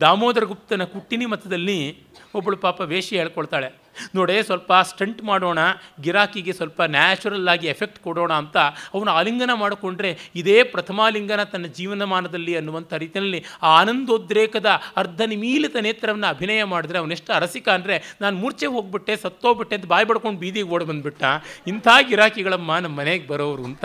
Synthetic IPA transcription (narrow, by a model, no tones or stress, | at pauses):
d̪aːmoːd̪ɐɾɐɡup̚t̪ɐnɐkuʈːinimɐt̪ʰːɐd̪ɐlːi | obːɐɭupaːpɐʋeːʂɐɦeːɭkoɭt̪aːɭe̞ | noːɽesʋɐlpɐsʈɐɳʈmaːɽo̞ːɳɐɡiɾaːkiɡe̞sʋɐlpɐnaːt͡ʃuɾɐlaːɡiepʰek̚ʈkɔɽo̞ːɳɐːnt̪ɐɐʋɐnuaːliŋɡɐnɐmaːɽko̞ɳɖɾe̞id̪eːpɾɐt̪ʰɐmaːliŋɡɐnɐt̪ɐnːɐd͡ʒiːʋɐnɐmaːnɐd̪ɐlːiɐnːuʋɐnt̪ʰɐɾiːt̪inɐlːiaːnɐnd̪od̪ɾeːkɐd̪ɐɐɾd̪ʱɐnimiːlit̪ɐneːt̪ɾɐʋɐnːɐɐbʱinɐːjɐmaːɽid̪ɾeɐʋɐneʂʈɐɾɐsikaːnd̪ɾe̞naːnumuːɾt͡ʃeɦoːɡ̚biʈːesɐt̪ːoːɡbiʈːent̪ɐbaːjbɐɽkoɳɖbiːd̪iɡeoːɽɐbɐnd̪biʈːaːint̪ʰaːɡiɾaːkiɡɐɭɐmːɐnɐmːɐneɡebɐɾɐːʋɐɾunt̪ɐ